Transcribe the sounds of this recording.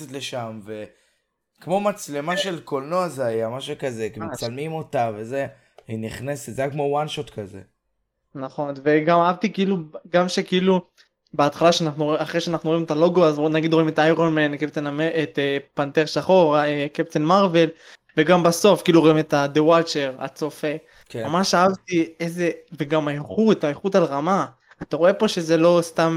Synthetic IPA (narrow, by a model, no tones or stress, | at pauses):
et̪leʃamve | kmo̞mat͡sle̞maʃe̞lko̞lnoazeajamaʃukazekemet͡salmimo̞t̪aveze | iniχneset̪zeakːmowanʃot̪kazḛ | naχo̞nve̞ɡamaavt̪ikiiluɡamʃe̞kiilu | be̞at̪χalaʃeanaχnuaχʁeʃeanaχnuʁimet̪alo̞ɡoazonaɡid̪ʁo̞ime̞t̪ajʁomenkep̚t͡senameet̪epant̪eʁʃaχo̞ʁekept͡senmaʁve̞l | ve̞ɡambaso̞fkiiluʁoime̞t̪ad̪ewalt͡ʃeʁa̰t͡sofe | kmamaʃaavt̪ieze̞veɡamaeχut̪aeχutalʁamaː | t̪aʁoe̞po̞ʃe̞zelo̞st̪am